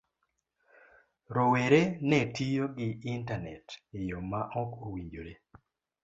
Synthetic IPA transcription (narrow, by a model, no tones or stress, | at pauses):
ɾoweɾenɛtʰijoɡɪːntanɛ̰tɪjomaʔɔkowiɲd͡ʒoɾe